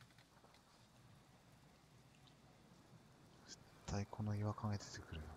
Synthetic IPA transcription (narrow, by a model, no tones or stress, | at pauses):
si̥t̪ʰːaikʰo̞noiβakʰaŋet̪et̪ekɯ̟ɾɯ̟